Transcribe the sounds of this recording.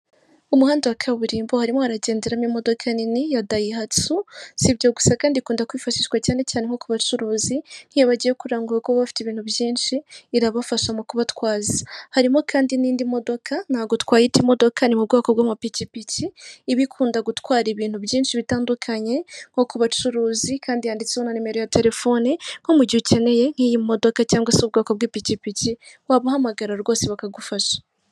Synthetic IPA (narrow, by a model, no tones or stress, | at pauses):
umuhaːndewakʰaβuɾiːmbohaɾimohaɾaɟe̞ːndeɾamimo̞do̞kʰaninijadajiɦatusibɟo̞ɡu̥sakaːndikuːndakwifaʃiʃwacaːne̞caːneŋ̥ho̞kuβat͡ʃuɾuːzin̥hijaβaɟijekuɾaːŋɡuɾakwoβafi̥tiβiːn̥hubjiːnʃiːɾaβafaʃamukuβatkwaːzḁhaɾimo̞kʰaːndiniːndimo̞do̞kʰan̥haːɡo̞twaːjitimo̞do̞kʰanimub̚ɡaːkob̚ɡamapicipiciːβikʰuːndaɡutkwaːɾiβiːn̥hubjiːnʃiβitaːndukʰaɲe̞ŋ̥ɡo̞kuβat͡ʃuɾuːzikʰaːndijaːndit͡seonanime̞ɾojate̞ɾe̞fo̞niŋ̥omuɟiuce̞ne̞je̞ŋ̥hiːjimo̞do̞kacaːŋɡwaseub̚ɡaːkob̚ɡipicipiciwaβuhamaɡaɾaɾɡoːseβakaɡufaʃḁ